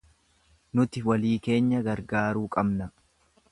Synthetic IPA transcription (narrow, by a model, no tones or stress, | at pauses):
nʊt̪ɪwɐliːke̞ːɲːɐɡɐɾɡaːɾuːkʼɐbnɐ